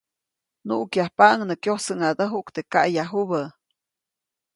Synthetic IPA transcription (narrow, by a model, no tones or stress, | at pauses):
nuʔkjahpaʔŋnəkjohsəŋad̪əɦuʔkt̪ekaʔjaɦuβə